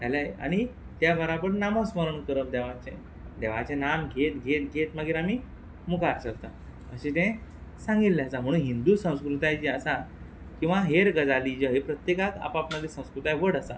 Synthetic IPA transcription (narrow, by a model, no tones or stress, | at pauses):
t̪alaja̰ɽ̃i | t̪jabəɾabəɾnaməsməɾəɳkəɾət̪̚d̪ɛʋat͡ɕẽ | d̪eʋat͡ɕẽnamɡʱet̪ɡʱet̪ɡʱet̪məɡiːɾamiː | mukaɾsəɾt̪a | əɕĩt̪ẽsãŋɡilːeəsam̤əɽ̃uːnɦind̪usə̃w̃skɾut̪ajt͡ɕeəsa | kĩw̃ʋaɦeɾɡəd͡zalid͡ʑəɦepɾət̪jekaka̰papnad̪isə̃w̃skɾut̪ajʋəɽəsa̰